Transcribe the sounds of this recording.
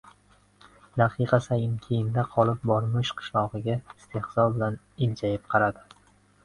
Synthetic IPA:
d̪aqʰɨqʰɑsajɪmkʲʰejɪnd̪aqʰɒlˠɪp̚bɒɾmɪʃqʰɨ̥ʃlˠɒʁɨɡʲaɪst̪ʰe̞hsɒlˠbɪlan | ɪld͡ʒajɪp̚qʰɑɾad̪ɪ

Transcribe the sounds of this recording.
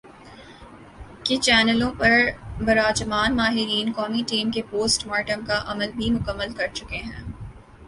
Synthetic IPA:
kɪt͡ʃɛːnəlõpɐɾbɐɾaːd͡ʒəmaːnmaːɦɪɾiːnkɔːmiʈiːmkepoːsʈmaːɾʈəmkaʔɐməlbʱimʊkəmːəlkɐɾt͡ʃʊkeɦɛ̃ː

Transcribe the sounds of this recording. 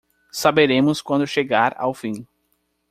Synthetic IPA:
sabeɾẽmʊskwɐ̃nd̪ʊʃeɡaɾa̰wfĩ

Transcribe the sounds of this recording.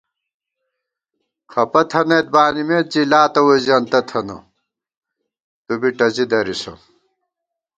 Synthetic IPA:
kʰɐpɐt̪ʰɐnɐt̪̚baːnimeːt̪̚d͡ʑilaːt̪ɐwozɐnt̪ɐt̪ʰɐno̰ | t̪ubiʈɐzid̪ɐɾiso̰

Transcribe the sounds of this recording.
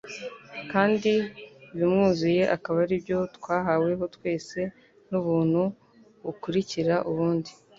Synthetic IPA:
kaːndiβimŋuːzije̞ʔakaβaɾibjo̞tkwaːɦawe̞ɦo̞twe̞ːse̞ | nuβuːn̥hu | βukuɾiciɾaʔuβuːndi

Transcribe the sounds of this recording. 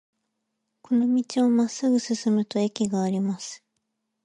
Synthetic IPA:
kʰo̞no̞mʲit͡ɕio̞masːɨɡɯ̟sɨsɨmɯ̟t̪o̞e̞kʲiɡaːɾʲimasɨ̥

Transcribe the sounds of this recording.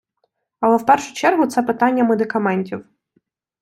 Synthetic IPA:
ɐlˠɛwpɛrʃʊ̥t͡ʃɛrɦʊt̪sɛpɪt̪ɑnʲːɐmed̪ɪkɐmɛnʲtʲiw

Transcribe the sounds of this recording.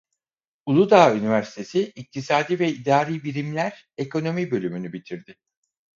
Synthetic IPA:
ulˠud̪aːynivæɾsi̥t̪ʰe̞siːc̚t̪ʰisaːd̪iːvɛid̪aːɾiːbiɾimlʲæɾ | e̞kʰo̞no̞mibø̞lʲymynybit̪ʰiɾd̪ɪ

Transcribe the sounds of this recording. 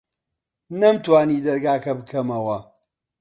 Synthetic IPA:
nɐmt̪waːniːd̪ɐɾɡaːkɐbɨkʰɐmɐwɐ

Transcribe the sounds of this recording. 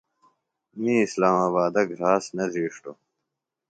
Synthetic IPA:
miːslaːmaːβaːd̪ɐɡɾaːsnɐziːʂʈo

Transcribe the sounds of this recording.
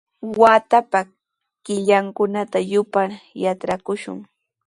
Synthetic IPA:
waːt̪apa | kɪʎaŋkʊnat̪ajʊpaɾjatɾakʊʃʊ̰ŋ

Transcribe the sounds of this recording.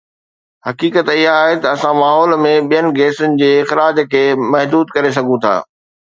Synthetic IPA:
hɐkiːkət̪ɪɦaːɦet̪ɐːsãmaːɦɔːlmẽɓijənɪ̆ɡeːsʊnɪ̆d͡ʑeːɪxɾaːd͡ʑkʰeːmɐɦd̪uːd̪kɐɾes̬ɐɡʱũt̪ʰa̰ː

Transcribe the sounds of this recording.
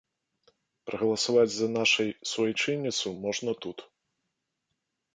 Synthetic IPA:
pɾɐɣɐlˠɐsavad͡zʲzɐnaʂɐjsvɔjt͡ʂɨnʲːit̪sumɔʐnɐt̪ut̪

